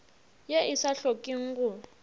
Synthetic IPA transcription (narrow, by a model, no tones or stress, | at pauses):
jeisaɬokʼiŋ̩kʊ